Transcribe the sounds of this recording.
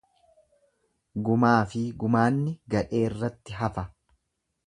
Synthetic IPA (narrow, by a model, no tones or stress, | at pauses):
ɡʊmaːfɪɡʊmaːnːɪɡɐᶑe̞ːrːɐt̪ːɪɦɐfɐ